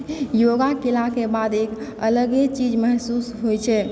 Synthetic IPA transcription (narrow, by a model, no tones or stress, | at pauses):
joɡakelakebad̪ekələɡet͡ʃid͡ʒməɦsusɦojt͡ʃʰɛ